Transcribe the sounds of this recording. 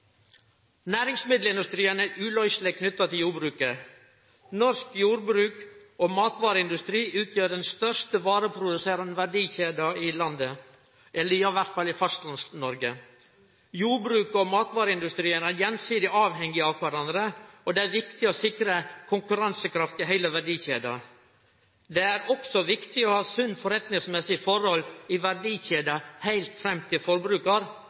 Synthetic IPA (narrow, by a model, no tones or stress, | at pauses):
næːɾɪŋsmɪd̪l̩ɪnd̪ʉst̪ɾiːənæɾʔʉːlœʏʃlɪkʰnʏt̪ːɑt̪ɪljuːbɾʉːkə | nɔɾskjuːɾbɾʉːkoːmɑːt̪ʋɑːɾəɪnd̪ʉst̪ɾiːʔʉːt̪ʰjøːɖɛnst̪œʂtəʋɑːɾəpʰɾʊd̪ʉseːɾɑnəʋæɖiːçeːd̪ɑɪlɑnd̪ə | ɛlːəɾɪɑʋæɾt̪fɑlːɪfɑst̪lɑnsnɔɾɡə | juːbɾʉːkɔmɑːt̪ʋɑːɾəɪnd̪ʉst̪ɾiːənæɾjɛnsiːd̪ɪʔɑːʋɦɛŋɡɪɑkʰʋæɾɑnd̪ɾəɔd̪ɛæɾʋɪkt̪ɪɔsɪkɾəkʰʊŋkʉɾɑnsəkʰɾɑft̪ɪɦæɪləʋæɖiːçeːd̪ɑ̰ | d̪ɛæɾɔksɔʋɪkt̪ɪɔhɑːsʉnːfɔɾɛt̪nɪŋsmɛsɪfɔɾhɔlɪʋæɖiːçeːd̪ɑhæɪlt̪fɾɛmt̪ʰɪfɔɾbɾʉːkɑɾ